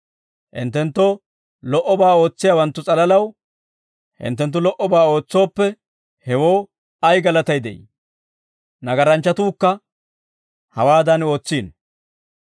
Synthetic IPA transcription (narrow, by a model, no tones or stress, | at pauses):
ʔɪ̰nt̪ːɛnt̪ːo | lɔʔɔbaːo̞ːt͡sːɪjaːwɐnt̪ːʊt͡sʼɐlɐlɐw | hɪ̰nt̪̬ːɛnt̪̬ːʊlɔʔɔbaːo̞ːt͡sːo̞ːpːɛ | hɛwo̞ː | ɐjɡɐlɐt̪ɐjd̪ɛ̰jḭ | nɐɡɐɾɐnt͡ʃːɐt̪uːkːɐ | hɐwaːd̪ɐno̞ːt͡sːiːn